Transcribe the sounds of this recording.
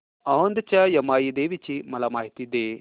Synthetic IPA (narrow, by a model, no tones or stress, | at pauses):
ɐɦond̪ɐt͡ʃɐjɐmaːjid̪eːʋit͡ʃimɐlɐmaːɦit̪id̪eː